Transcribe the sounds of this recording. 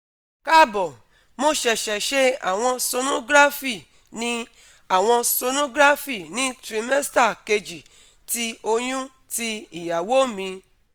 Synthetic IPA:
ka˦˨bɔ˨ | mo˦ʃɛ˧ʃɛ˨ʃe˦a̰˨w̃ɔ̃˧so˧nõ˦ɡɾa˦fi˨ | nĩ˦ | a˨w̃ɔ̃˧so˧nõ˦ɡɾa˦fi˦˨nĩ˨˦tɾĩ˧mɛ˦sta˦˨ke˧d͡ʒi˨ | ti˧o˧j̃ũ˦ | ti˧i˨ja˨wo˦mĩ˧

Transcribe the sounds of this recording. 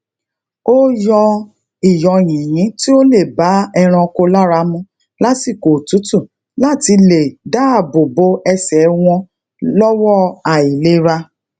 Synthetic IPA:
o˦jɔ˧ | i˨jɔ˨j̃ĩ˨j̃ĩ˨˦ti˦o˦le˦˨ba˨˦ɛ˧ɾ̃ã˧ko˧la˦ɾa˧˦mũ˧˦ | la˦ti˦˨ko˨tu˨˦tu˦˨ | la˦˨ti˧le˨da˦˨bo˨bo˨˦ɛ˧sɛ˨˦w̃ɔ̃˧ | lɔ˦wɔ˦˨a˨i˨le˨˦ɾa˧

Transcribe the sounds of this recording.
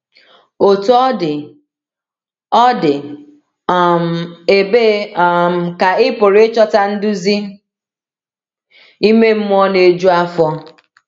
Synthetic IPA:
o˨tu˦ɔ˦dɪ˨ | ɔ˦dɪ˨ | m̩˨e˨be˦m̩˨ka˨ɪ˦pʊ˨ɾe˦t͡ʃɔ˦ta˦n̩˦dʊ˦zi˦ | i˦me˦m̩˦m˦ɔ˦ne˨d͡ʒu˦a˦fɔ˦

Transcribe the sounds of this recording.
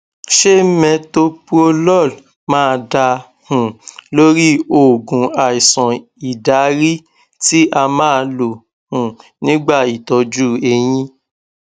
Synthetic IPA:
ʃe˦mɛ̃˧to˦pu˦o˧lɔ˦˨l | mãː˦˧da˧ | hũ˨lo˦ɾi˦o˦˨ɡũ˨˦a˨i˨sɔ̃˨ | i˨da˨˦ɾi˦ | ti˦ʔa˧mãː˦˧lo˨ | hũ˨nĩ˦ɡ͡ba˦˨i˨tɔ˧d͡ʒu˦˨e˧j̃ĩ˦

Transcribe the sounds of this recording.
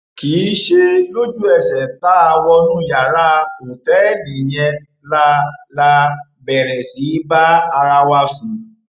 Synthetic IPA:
ki˨˦ʃe˧lo˦d͡ʒu˦ɛ˦˨sɛ˨ta˨˦a˧wɔ˦˧nũ˦ja˨ɾa˦o˨tɛ˨˦˨nĩ˨j̃ɛ̃˧ | la˦la˧ | bɛ˨ɾɛ˨si˨˦ba˦a˧ɾa˦wa˦fĩ˨

